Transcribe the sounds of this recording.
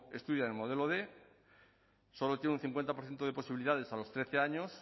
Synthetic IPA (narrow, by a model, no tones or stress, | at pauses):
e̞st̪uðjanemoð̞e̞loðe̞ | so̞lot̪jenũn̟θiŋkwe̞nt̪apoɾθje̞nt̪oðe̞po̞siβiliðað̞e̞salo̞st̪ɾe̞θe̞aɲo̞s